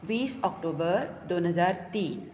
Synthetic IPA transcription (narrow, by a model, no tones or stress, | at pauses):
ʋisɔk̚ʈobəɾd̪onɦəzaɾt̪iːn